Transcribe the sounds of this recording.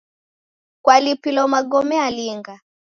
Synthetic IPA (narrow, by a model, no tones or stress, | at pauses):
kwalipilɔmaɡɔmɛaliŋɡa